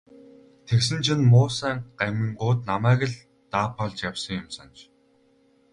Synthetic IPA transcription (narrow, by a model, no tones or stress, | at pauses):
t̪ʰeksɘ̆nt͡ɕʰĭnmʊːsæːŋɢ̥æmʲĭŋɢʊːt̪namæːɣɘ̆ɮ | t̪aːpʰɔɮt͡ɕjawsə̆ŋjʊmsant͡ɕ